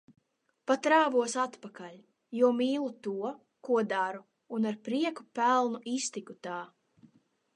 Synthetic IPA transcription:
pat̪ɾaːvuɔsat̪pakalʲ | juɔmiːlˠut̪uɔ | kuɔd̪aɾu | unaɾpɾiɛkupælˠnuist̪ikut̪aː

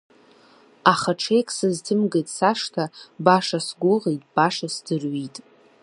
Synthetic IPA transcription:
aχaʈ͡ʂʰejkʼsɨztʰɨmɡejtʼsaʂtʰabaʂasɡʷʊʁejtʼb̥aʂasdɨrɥitʼ

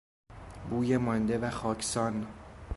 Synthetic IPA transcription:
buːjemɒnd̪evæxɒːcʰsɒn

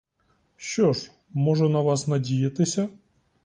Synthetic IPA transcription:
ʃt͡ʃɔʂ | mɔʐɛnɐʋɑsnɐdʲijɐt̪ɪsʲɐ

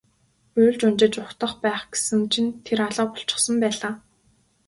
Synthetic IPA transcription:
uːɮt͡ɕʊnt͡ɕɪ̆t͡ɕʊkt̪ə̆χpæːχɡe̥sɘ̆ŋt͡ɕʰint̪ʰeɾaɮɔːpʊ̥ɬt͡ɕɪ̥̆χsɞ̆mpæːɮaː

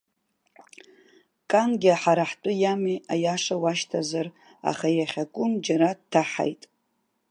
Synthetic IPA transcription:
kʼanɡʲɪaħaɾaħtʼʊjamiʔajaʂawaʃtʰazar | a̰χajaχʲakʷʼʊnd͡ʒaɾadtʰaħa̰jtʼ

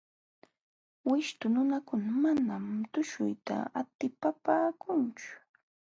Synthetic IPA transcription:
wɪʃt̪ʊnʊnakʊnamanamt̪ʊʃʊ̰jt̪a̰at̪ɪpapaːkʊnt͡ʃʊ̥

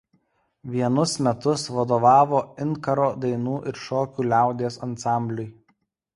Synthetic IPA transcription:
ʋʲiɛnʊsmʲɛt̪ʊsʋɐd̪oːʋɑːʋoːɪnkɐɾoːd̪ɐɪnuːʔɪɾʃoːkʲuːlʲæˑʊd̪ʲeːsɐnsɑˑmʲbʲlʲʊj

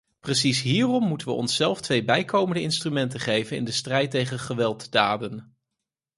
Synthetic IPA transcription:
prəsisɦiːrɔmːutənʋə̰ʔɔ̰nsːɛlˠftʋejbɛjkowməndəɪnstrymɛntəχejvənɪ̰ndəstrɛjtːejχəχəʋɛlˠtdaːdən

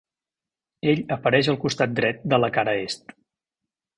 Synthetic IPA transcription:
eʎəpəɾɛʃəlˠkust̪at̪̚d̪ɾɛt̪̚d̪ələkaɾəest̪

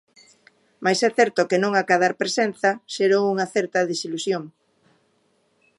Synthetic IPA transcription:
majsɛθɛɾt̪ʊkenõŋakaðaɾpɾesen̟θɐʃeɾowuŋaθɛɾt̪ɐðesilusjoŋ

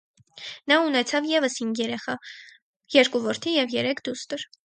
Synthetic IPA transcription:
nɑunɛt͡sʰɑvjɛvəshiŋɡjɛɾɛχɑ | jɛɾkuvɔɾt̪ʰijɛvjɛɾɛkʰd̪ust̪əɾ

